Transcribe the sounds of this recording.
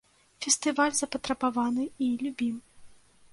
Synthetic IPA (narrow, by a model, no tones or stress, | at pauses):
fʲɛst̪ɨvalʲzɐpɐt̪ɾɐbavanɨilʲubʲim